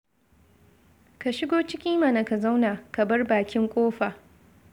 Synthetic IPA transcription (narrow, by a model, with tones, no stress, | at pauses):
ka˨ʃɪ˦ɡoː˦t͡ʃɪ˦kʲi˦ma˨na˨ka˨za˦wna˨ka˨bɐ˦rbaː˨kʲɪ˦ŋkʷʼoː˦ɸaː˨